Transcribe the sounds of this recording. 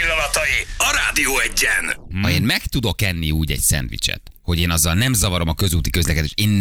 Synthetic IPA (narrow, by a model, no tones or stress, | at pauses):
ilːɒnɒt̪ɒjiɒɾaːd̪ijoːɛɟːɛnhɒeːnmɛkt̪ud̪o̞kɛnːiuːɟɛ̰ɟsɛ̰nt̪ʋḭt͡ʃɛ̰t̪ho̞ɟeːnɒzːɒlnɛmzɒvɒɾo̞mɒkø̞zuːt̪ikø̞zlɛkɛd̪eːʃeːn